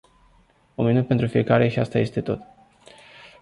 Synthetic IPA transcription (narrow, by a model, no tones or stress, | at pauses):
uminut̪pent̪ɾufije̞kaɾe̞ʃiast̪aje̞st̪e̞t̪o̞t̪